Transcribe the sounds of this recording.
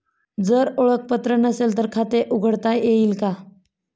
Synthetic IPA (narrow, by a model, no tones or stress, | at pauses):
d͡zəɾoɭək̚pət̪ɾənəselt̪əɾkʰat̪eʔuɡʱəɽt̪ajeilka